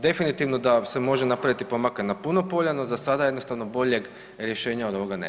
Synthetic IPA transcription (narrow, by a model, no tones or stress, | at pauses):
d̪e̞finit̪iʋno̞d̪ase̞mo̞ʒenapɾaʋit̪ipo̞makanapuno̞po̞ʎanozasad̪ajed̪nost̪aʋno̞bo̞ʎe̞ɡ | ɾje̞ʃe̞ːɲao̞d̪o̞ʋo̞ɡanḛ